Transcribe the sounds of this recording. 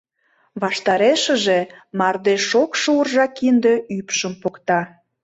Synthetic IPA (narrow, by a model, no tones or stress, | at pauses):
βɑʃt̪ɑɾeʃə̆ʒemɑrd̪eʃokʃurʒɑkind̪eypʃəmpokt̪ɑ